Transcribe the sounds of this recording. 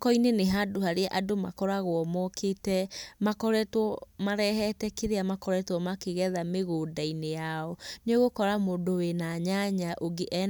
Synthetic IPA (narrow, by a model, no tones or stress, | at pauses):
kɔineneɦadohaɾeaʔadoma̰kɔɾaɣwɔmɔkʰetɛmakɔɾɛtwɔmaɾɛɦɛtɛkeɾeamakɔɾɛtwɔmakeɣɛðameɣoːdainejaɔneɣokɔɾamoːndowenaɲaɲaʔoɡeʔɛ